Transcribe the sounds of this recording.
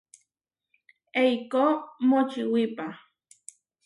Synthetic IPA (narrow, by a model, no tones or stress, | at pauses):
ejkomot͡ʃiwipa